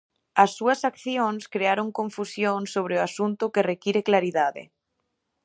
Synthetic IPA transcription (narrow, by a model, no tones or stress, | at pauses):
asːuɐsakθjonskɾeaɾoŋkoɱfusjoŋsoβ̞ɾeoasunt̪ʊkerekiɾeklaɾiðaðḛ